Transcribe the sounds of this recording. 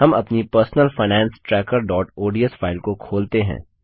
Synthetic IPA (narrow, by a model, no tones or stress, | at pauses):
ɦɐmɐ̰pnipəɾsnəlfaɪnɛ̃ːnsʈɾɛːkəɾɖɔːʈoːɖiːəsfaːɪlkokʰoːlt̪eɦɛ̰̃ː